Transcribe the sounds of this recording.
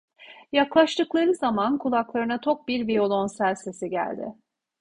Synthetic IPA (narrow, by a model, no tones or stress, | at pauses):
jaklˠaʃt̪ʰɯklˠaɾɯzamankʰulˠaklˠaɾɯnat̪ʰo̞k̚biɾvio̞lˠo̞nsælʲse̞siɟæ̰lʲd̪ɪ̰